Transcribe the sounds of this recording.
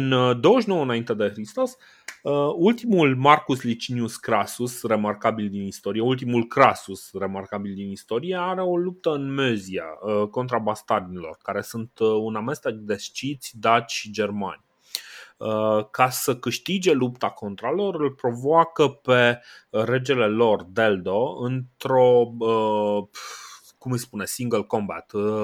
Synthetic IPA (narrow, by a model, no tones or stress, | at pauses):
ɨnd̪o̞wəʃnowəɨnaint̪e̞d̪e̞xɾist̪o̞s | əult̪imulmarkuslit͡ʃiniuskɾasusre̞markabild̪inist̪o̞ɾijeult̪̬imulkɾasusre̞markabild̪inist̪o̞ɾije̞aɾe̞o̞lup̚t̪əɨnmezia̰əko̞nt̪ɾabast̪arnilo̞̰rkaɾe̞sunt̪uname̞st̪e̞k̚d̪e̞st͡ʃit̪sʲd̪at͡ʃʲʃid͡ʒe̞rmanʲ | əkasəkɨʃt̪id͡ʒe̞lupt̪ako̞nt̪ɾalo̞rɨlpɾo̞voakəpe̞ɾe̞d͡ʒe̞le̞lo̞rd̪e̞ld̪o̞ɨnt̪ɾo̞ə | kumɨjspune̞siŋɡəlko̞mba̰t̪